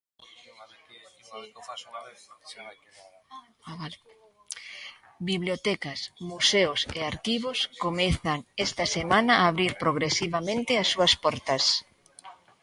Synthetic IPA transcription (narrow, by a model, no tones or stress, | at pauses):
biβljot̪ɛkɐsmuseʊseaɾkiβ̞oskomeθaŋɛst̪ɐsemãnɐːβɾiɾpɾoɣɾesiβamẽnt̪ɪasːuɐspɔɾt̪ɐs